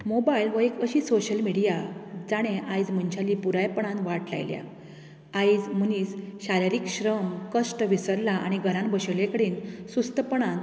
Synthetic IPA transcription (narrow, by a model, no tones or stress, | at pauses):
mobailʋəekəɕiːsoɕəlmiɽijad͡zaɽ̃eʔajd͡zm̤əɲt͡ɕʰaliːpuɾajpəɳ̃ãnʋaʈla̰jlja̰ | ajd͡zm̤əniːt͡sɕaɾaɾiːkɕɾəmkəsʈʋisəɾlaʔa̰ɽ̃iɡʱəɾãnbəɕəlekəɽiːnsust̪əpəɳ̃an